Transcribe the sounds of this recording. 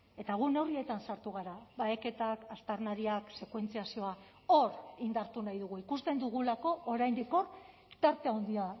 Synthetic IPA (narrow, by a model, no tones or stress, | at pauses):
e̞t̪aɣ̞une̞wrie̞t̪ansaɾt̪uɣ̞aɾaβaeke̞t̪akast̪aɾnaɾiakse̞kwe̞nt͡siasio̞a | o̞ɾind̪aɾt̪unajðuɣ̞uikust̪e̞nd̪uɣ̞ulako̞ʔoɾajnd̪iko̞r | t̪aɾt̪e̞aond̪ia